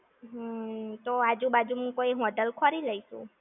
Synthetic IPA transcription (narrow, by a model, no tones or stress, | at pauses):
ɦt̪oad͡ʒũbad͡ʒumũkoiɦũəɖəlkʰɔɾiləisũ